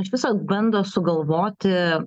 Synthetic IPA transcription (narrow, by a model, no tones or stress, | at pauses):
ɐʃʋʲɪsɐbɐnd̪ɐsʊɡɐlˠʋoːt̪ʲɪ